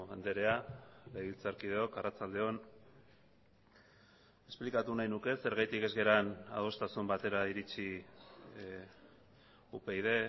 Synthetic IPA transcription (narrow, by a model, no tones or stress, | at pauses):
and̪eɾe̞aleβilt͡saɾkið̞eo̞karat͡sald̪e̞o̞n | e̞splikat̪unajnuke̞se̞ɾɣajt̪ike̞zɣe̞ɾana̰ð̞o̞st̪asumbat̪e̞ɾaiɾit͡si | upejðe̞